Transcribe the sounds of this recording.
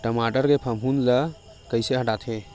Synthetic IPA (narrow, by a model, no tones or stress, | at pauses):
ʈəmaʈəɾkepʰəmʱunlə | kəɪseɦəʈat̪ʰe